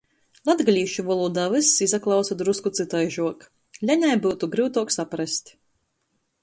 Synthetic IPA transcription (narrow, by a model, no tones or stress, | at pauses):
lˠad̪ɡlʲiːʃuvɔlˠuːd̪aːvɨsizaklˠɑwsad̪ɾuskut̪sɨt̪ajʒuɔk | lʲaɲʲajbuːt̪uɡɾɨwt̪uɔksapɾasʲt̪ʲ